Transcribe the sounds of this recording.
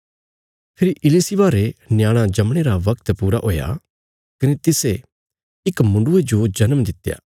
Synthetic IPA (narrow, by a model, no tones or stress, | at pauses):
pʰɪɾiʔɪliːsibaːɾenɪjaːɽ̃ãd͡ʒɐmɽ̃eɾaʋɐkt̪puːɾaɦoːja̰ | kɐnet̪ɪse | ɪkmʊ̃ɳɖʊed͡ʒod͡ʒɐnəmd̪ɪt̪ːja̰ː